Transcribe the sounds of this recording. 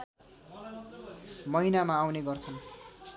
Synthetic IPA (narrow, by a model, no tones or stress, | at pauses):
mʌɦinamaːwneɡʌrt͡sʰʌn